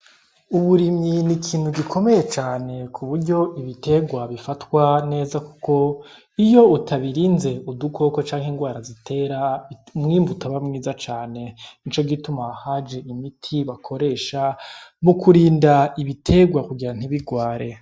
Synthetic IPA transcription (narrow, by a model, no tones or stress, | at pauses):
uβuɾiminikʰiːn̥huɡikʰo̞me̞je̞t͡ʃaːne̞kʰuβuɾɟo̞ʔiβite̞ɡwaβifatwane̞ːzaku̥ko̞ | ijo̞utʰaβiɾiːnze̞udukʰo̞ːkot͡ʃaːŋhiŋɡwaːɾazitʰe̞ːɾamŋiːmbutʰaβamŋiːzat͡ʃaːne̞int͡ʃo̞ɡitumahad͡ʒe̞imitʰiβakʰo̞ɾe̞ːʃamukʰuɾiːndaiβitʰe̞ɡwakuɡiɾan̥iβiɡwaːɾe̞